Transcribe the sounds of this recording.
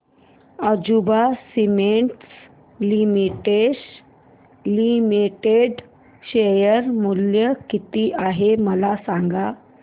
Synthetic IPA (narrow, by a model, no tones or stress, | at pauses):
əd͡ʑubasimeɳʈs | limiʈeɕ | limiʈeɖ | ɕejəɾmuljəkit̪iːʔaɦeməlasaŋɡa